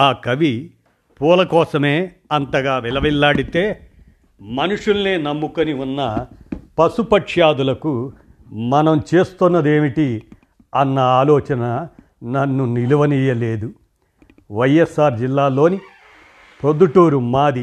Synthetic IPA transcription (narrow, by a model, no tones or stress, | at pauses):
aːkɐʋi | puːlɐkɔːsɐme̞ː | ɐnt̪ɐɡaːʋɛlɐʋilːaːɽit̪eː | mɐnuʂulɐneːnɐmːukɐniunːɐpɐsupɐʈʂjaːd̪ulɐku | mɐnɐmt͡ʃe̞ːst̪unːɐd̪e̞ːmiʈi | ɐnːɐaːlɔːt͡ʃɐnɐ | nɐnːuniluʋɐniːjɐle̞ːd̪u | ʋɐjesaːɾd͡ʒilːaːlo̞ːni | pɾod̪uʈuːɾumaːd̪i